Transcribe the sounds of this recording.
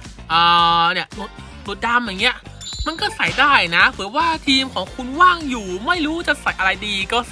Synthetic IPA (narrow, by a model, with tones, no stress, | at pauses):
ʔɤː˨˩ni˧˩ɐmu˨˩t̪̚ | mu˨˩t̪̚da˧mjaː˨˩ŋːi˦˥ɐʔ | ma˧nkɔː˥˩sa˨˩˦jdaː˥˩jna˦˥pʰɯ˨˩˦əwaː˥˩t̪ʰiː˧mkʰɔː˨˩˦ŋkʰu˧nwaː˥˩ŋjuː˨˩ma˥˩jɾuː˦˥t͡ɕa˨˩sa˨˩jʔa˧ɾa˧jdiː˧kɔː˥˩